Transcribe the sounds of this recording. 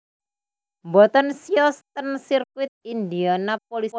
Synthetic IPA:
mbɔt̪ɔnsiɔst̪ənsirkwɪt̪̚ind̪ianap̚oli

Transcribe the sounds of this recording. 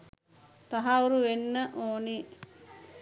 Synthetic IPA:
t̪aɦauɾuʋenːəʔoːni

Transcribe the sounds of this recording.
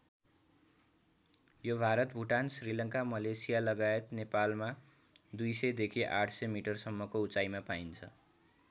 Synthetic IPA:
jobʱaɾʌt̪bʱuʈansrilʌŋkamʌlesijalʌɡaet̪nepalma | d̪ujsʌjd̪ekʰiʔaʈʰsʌmiʈʌrsʌmːʌkout͡sajmapaint͡sʰʌ̰

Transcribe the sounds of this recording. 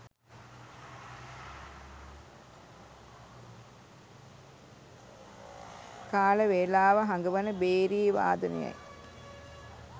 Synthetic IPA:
kaːləʋeːlaːʋəɦaŋɡəʋɐnəbeːɾiːʋa̰ːd̪unḛja̰j

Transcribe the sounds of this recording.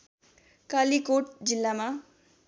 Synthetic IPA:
kalikoʈ̚d͡zilːama

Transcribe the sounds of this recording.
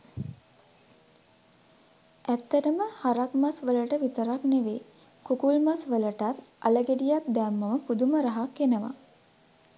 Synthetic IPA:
ʔæt̪ːəʈəməhaɾakmasʋələʈəʋit̪əɾakneʋe | kukulmasʋələʈat̪a̰ləɡeɖijak̪̚d̪æːmːəʋəpud̪uməɾaɦakːenəʋa̰

